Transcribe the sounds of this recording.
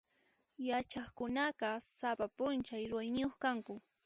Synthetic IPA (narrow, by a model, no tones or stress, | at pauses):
jat͡ʃaχkʊnɑɢɑsapapʊnt͡ʃajɾʊwajnɪjoχkaŋkʊ